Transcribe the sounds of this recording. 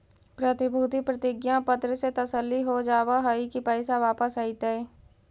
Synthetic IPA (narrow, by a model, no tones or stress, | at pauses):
pɾət̪ɪbʱuːt̪ipɾət̪ɪɡjãpət̪ɾəset̪əsəlːiɦod͡ʒaːʋaɦəikipɛːsaʋaːpəsait̪əɛː